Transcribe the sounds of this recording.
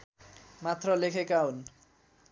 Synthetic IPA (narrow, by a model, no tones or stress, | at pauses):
mat̪rʌlekʰekaɦun